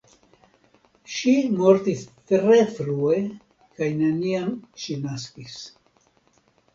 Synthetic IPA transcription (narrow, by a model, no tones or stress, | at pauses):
ʃimo̞ɾtist̪ɾe̞fɾue̞ | kajneniamʃinaskis